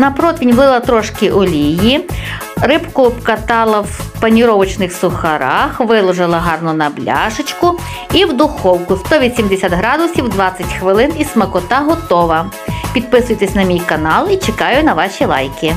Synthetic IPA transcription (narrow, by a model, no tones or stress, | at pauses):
nɐpɾɔt̪ʋʲinʲʋlˠɪlˠɐt̪ɾɔʃkʲiʔɔlʲiji | rɪpkʊpkɐt̪ɑlˠɐwpɐnʲiɾɔʋɐt͡ʃnɪxsʊxɐɾɑxʋɪlˠɔʒɪlˠɐɦɑrnʊnɐblʲɑ̰ʒɪt͡ʃkʊ | iwd̪ʊxɔwkʊst̪ɔʋʲisʲimd̪esʲat̪ɦɾɑd̪ʊsʲiwd̪ʋɑt͡sʲːɐtʲxʋɪlˠɪnismɐkʊt̪ɑɦɔt̪ɔʋɐ | pʲid̪̚pɪsʊjt̪esʲnɐmʲijkɐnɑlˠit͡ʃekɑjʊnɐʋɑʃʲilˠɑ̰jkɪ